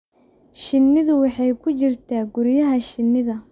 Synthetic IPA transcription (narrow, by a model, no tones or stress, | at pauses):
ʃɪnːɪðʊwɑħɑjkʰʊt͡ʃɪrt̪ʰaːɡʊɾjɐɦɐʃɪnːɪðɐ